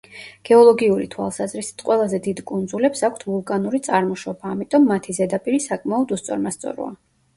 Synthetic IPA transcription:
ɡ̥ɛɔlˠɔɡiuɾḭt̪ʰwa̰lˠsazɾisi̥t̪ʰqʼwɛlˠazɛd̪id̪kʼund̪zulɛpsakʷʰt̪ʰvulˠkʼanuɾit̪sʼaɾmɔʃɔbaːmit̪ʼɔmːat̪ʰizɛd̪apʼiɾisakʼmaɔd̪ust̪sʼɔ̰ɾmast̪sʼɔ̰ɾɔ̰a

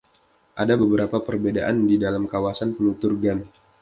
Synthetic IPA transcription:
ʔadabəbəɾapapərbedaʔandidalamkawasanpənut̪urɡan

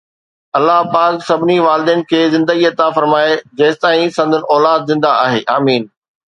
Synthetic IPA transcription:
ɐlːaɦpaːksɐbʱɪniʋaːlɪd̪inɪ̆kʰeːzɪ̃nd̪əɡiɐt̪afɐɾmaːed͡ʑeːst̪aːĩsɐ̃nd̪ʱʊnɪ̆ɔːlaːd̪̚zɪ̃nd̪aaːɦeːʔaːmiːn

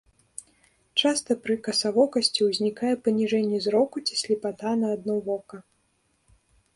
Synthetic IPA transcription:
t͡ʂast̪ɐpɾɨkɐsavɔkɐsʲt͡sʲiwzʲnʲikajɛpɐnʲiʐɛnʲːɛzɾɔkut͡sʲi̥sʲlʲipat̪anɐːd̪̚nɔvɔkɐ

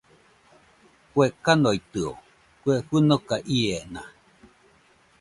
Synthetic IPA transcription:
kwekanoit̪ɨo̰ | kʷweɸɨnokaʔiena

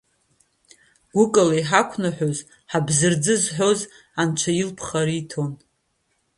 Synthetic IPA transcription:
ɡ̥ʷʊkʼalaiħakʷʰnaħoz | ħabzɨrd͡zɨzħʷᶣo̞z | ant͡ʃʷʰajɪlpʰχaɾiːtʰo̞n

